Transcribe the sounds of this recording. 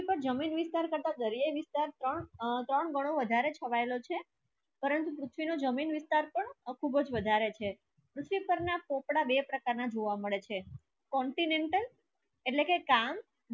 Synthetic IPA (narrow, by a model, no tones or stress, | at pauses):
ipəɾd͡ʒəminʋɪst̪aɾkəɾt̪ad̪əɾijajʋɪst̪aɾt̪ɾəɳt̪ɾəɳɡəɽ̃oʋəd̪ʱaɾet͡ʃʰəʋaelot͡ʃʰe | pəɾənt̪̬upɾut̪ʰʋinod͡ʒəminʋɪst̪aɾpəɳkʰubəd͡ʒʋəd̪ʱaɾet͡ʃʰe | pɾut̪ʰʋipəɾnapɔ̃pɽabepɾəkaɾnad͡ʒoʋaməɭet͡ʃʰe | kɔɳʈineɳʈəl | eʈlekekam